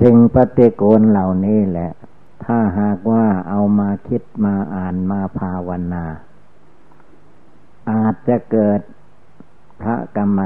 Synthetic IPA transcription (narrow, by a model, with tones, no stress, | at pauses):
t̪ʰɯ˧ŋpa˧t̪i˧koː˧nla˨˩wniː˧˥˩lɛ˧ʔ | t̪ʰaː˧˥˩ɦaː˨˩k̚waː˧˥˩ʔa˧wmaː˧kʰi˧˥t̪̚maː˧ʔaː˨˩nmaː˧pʰaː˧wa˧naː˧ | ʔaː˨˩t̪̚t͡ɕa˧kɤː˨˩t̪̚ | pʰɾa̰˦˧˥ka˧mːa˧